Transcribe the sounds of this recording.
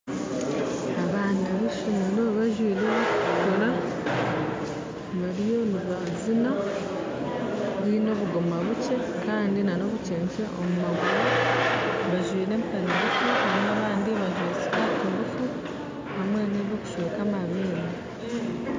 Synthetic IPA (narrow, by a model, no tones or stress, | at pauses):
aβaːndiβuʃinanoβaʒwiːɾeɡoɾa | βaɾijo̞niβa | zina | βino̞ːβuɡomaβut͡ʃe̞ | kaːndinano̞ːβut͡ʃe̞ːɲt͡ʃeʔomumaɡuɾo | βaʒwiːɾe̞ːmtaniɾufuaɾinaβaːndiβaʒweːt͡ʃiɾatuɾufu | hamwe̞neβo̞ku̥ʃweːkamaβina